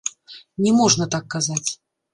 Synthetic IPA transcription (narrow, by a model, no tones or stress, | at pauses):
nʲɛmɔʐnɐt̪akːazat͡sʲ